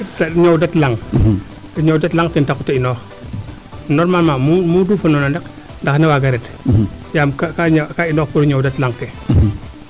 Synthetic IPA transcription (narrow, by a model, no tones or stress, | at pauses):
tɐɲɔwdɐtlaŋ | ɲɔwdɐtlaŋtɛntakutɐinɔːx | nɔɾmalmamumuduːfɐnɔnɐndɐk | ndɐxnɐwaɡɐɾɛt | jaːmkakaɲkainɔːxpuɾuɲɔːwdɐtlaŋtɛ